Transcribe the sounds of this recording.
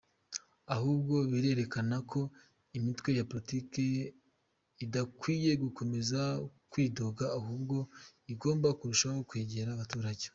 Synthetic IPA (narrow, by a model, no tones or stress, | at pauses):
aɦuːbɡo̞βiɾe̞ɾe̞kanakʰo̞ | imitwe̞japoitike̞ | idakwiːje̞ɡuko̞me̞zakwiːdo̞ɡaːhuːbɡo̞ | iɡo̞ːmbakuɾuʃaho̞kwe̞ːɟe̞ɾaβatuːɾaɟe̥